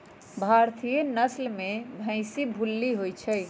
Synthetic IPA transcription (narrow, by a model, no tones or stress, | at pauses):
bʱaɾt̪ʰijenəslmebʱə̃ɪ̃sibʱulːiɦojt͡ʃʰə